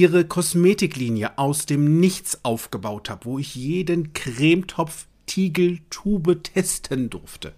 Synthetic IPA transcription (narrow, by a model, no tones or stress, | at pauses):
iːʁəkʰɔsmeːtɪkliːnjəʔaʊsd̥eːmnɪçt͡sʔaʊfɡ̥əbaʊthaːbəvoːɪçjeːdənkʁ̥eːmtʰɔp͡f | tʰiːɡl̩tʰuːbətʰɛstʰəndʊʁftʰə̰